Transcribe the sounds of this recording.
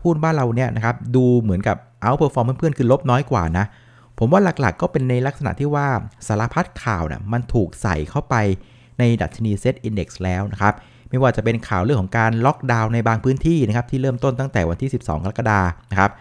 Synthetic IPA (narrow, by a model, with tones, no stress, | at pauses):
pʰuː˥˩t̪̚waː˥˩nɾa˧wni˦˥ɐʔna˦˥kʰa˦˥p̚duː˧mɯ˩˦ənka˨˩p̚ʔa˦˥wpʰɤː˧fɔː˧mʰɯː˥˩˨pʰɯ˥˩ənkʰɯː˧lo˦˥p̚nɔː˦˥jkwaː˨˩na˦˥ʔ | pʰo˩˦mwaː˥˩la˨˩k̚la̰˨˩kːɔː˥˩pe˧nːa˧jla˦˥k̚sa˧na̰˨˩t̪ʰiː˥˩waː˥˩saː˩˦la˧pʰa˦˥t̪̚kʰaː˨˩wnḭ˥˩əma˧nt̪ʰuː˨˩k̚sa̰˨˩jkʰa˥˩wpa˧j | na˧jda̰˨˩t̪̚t͡ɕʰa˧niː˧se˦˥t̪̚ʔi˧nde˨˩k̚slɛː˦˥wna˦˥kʰa˦˥p̚ | ma˥˩jwaː˥˩t͡ɕa˨˩pe˧nkʰaː˨˩wɾɯ˥˩əŋkʰɔ˩˦ŋkaː˧nlɔ˦˥k̚daː˧wna˧jbaː˧ŋpʰɯː˦˥nt̪ʰiː˥˩na˦˥kʰa˦˥p̚t̪iː˥ɾɤː˥˩mt̪o˥˩nt̪a˥˩ŋt̪ɛː˨˩wa˧nt̪ʰiː˥˩si˨˩p̚sɔ̰ː˩˦ŋkʰa˧la˦˥kːa˧daː˧na˦˥kʰa˦˥p̚